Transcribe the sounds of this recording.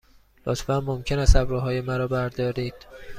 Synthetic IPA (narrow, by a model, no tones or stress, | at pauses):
lo̰t̪ʰfænmomcʰe̞næsæbɾuːɦɒːje̞mæɾɒːbæɾd̪ɒːɾiːd̪̥